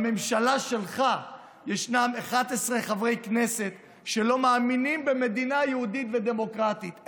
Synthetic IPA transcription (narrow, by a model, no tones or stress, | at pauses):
me̞mʃalaʃe̞lχa | jeʃnameχad̪esʁeχavʁe̞jkne̞se̞t̪ | ʃe̞lo̞maːminimbeme̞d̪inajehud̪it̪ve̞d̪e̞mo̞kʁat̪it̪